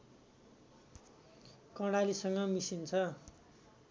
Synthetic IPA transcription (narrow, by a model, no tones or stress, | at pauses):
kʌɽalisʌŋɡʌmisint͡sʰʌ